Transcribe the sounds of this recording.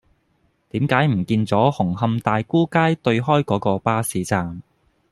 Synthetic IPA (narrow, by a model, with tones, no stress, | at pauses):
t̪iː˨˥mkaː˨˥jm̩˨˩kiː˧nt͡sɔː˨˥hʊ˨˩ŋhɐ˧mt̪aː˨jkuː˥kaː˥jt̪ɵ˧ɥɦɔː˥jkɔː˨˥kɔː˧paː˥siː˨˥t͡saː˧m